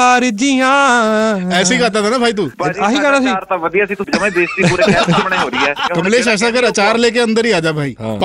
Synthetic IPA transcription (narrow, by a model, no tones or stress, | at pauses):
aɾɪd͡ʒiːɦãː | ɛːsiːkaːt̪̬at̪aːnaːbʱaːiːt̪̬uːpaːɦiːkɛnasiɾt̪aʋəd̪ijasĩːt̪ʊsɐməbeːst̪iːpuːɾeɛmɳeɦoːɾiɛːkəmleːʃɛːs̬ãːkəɾət͡ʃaːɾleːk̬eə̃nd̪əɾiːaːd͡ʒaːbʱaːḭːɦã̰ːp